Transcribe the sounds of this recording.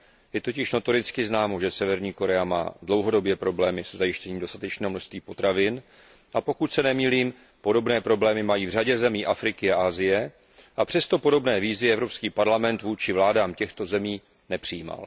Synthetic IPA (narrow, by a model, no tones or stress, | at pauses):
jɛt̪o̞cɪʃno̞t̪o̞ɾɪt͡skɪznaːmo̞ʒɛsɛvɛɾɲiːko̞ɾɛama̰ːdlo̞wɦo̞do̞bjɛpɾo̞blɛːmɪsɛzajɪʃcɛɲiːmdo̞st̪at̪ɛt͡ʃnɛːɦomnoʃst̪viːpo̞t̪ɾavɪn | ʔapo̞kut̪sɛnɛmiːliːm | po̞do̞bnɛːpɾo̞blɛːmɪmajiːvr̝aɟɛzɛmiːʔafɾɪkɪaʔaːzɪjɛ | ʔapr̝̥ɛst̪o̞po̞do̞bnɛːviːzɪɛvɾo̞pskiːpaɾlamɛnt̪vuːt͡ʃɪvlaːdaːmcɛxt̪o̞zɛmiː | nɛpr̥ɪjiːma̰l